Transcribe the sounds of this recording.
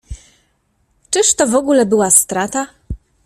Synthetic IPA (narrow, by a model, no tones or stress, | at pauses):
t͡ʂɘʂt̪ɔvɔɡulɛbɘwast̪ɾat̪a